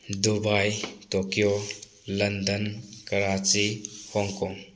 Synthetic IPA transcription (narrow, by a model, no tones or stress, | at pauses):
dubajtokijo | lɐndənkɐɾat͡ʃihɔŋkɔŋ